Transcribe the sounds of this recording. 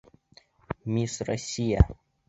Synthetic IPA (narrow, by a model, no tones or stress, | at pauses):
mʲisrɔsʲijɐ̰